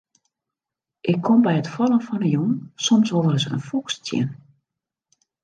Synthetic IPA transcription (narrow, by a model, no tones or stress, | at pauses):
ʔɪkʰːombɛjətfɔlˠənfɔnəjonsɔmsovərəsə̰nfɔkstjɪ̰n